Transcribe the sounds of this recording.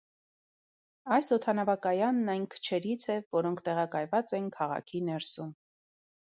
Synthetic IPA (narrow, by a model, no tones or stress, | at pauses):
ɑjsɔt̪ʰɑnɑvɑkɑjɑnːɑjnkʰə̥t͡ʃʰɛɾit͡sʰɛvɔɾɔŋkʰt̪ɛʁɑkɑjvɑt͡sɛnkʰɑʁɑ̰kʰinɛɾsum